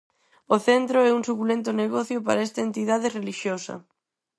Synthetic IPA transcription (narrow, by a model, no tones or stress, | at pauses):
oθent̪ɾoɛuŋsukulent̪ʊneɣɔθjopa̰ɾaest̪ɐent̪iðaðereliʃjosɐ̰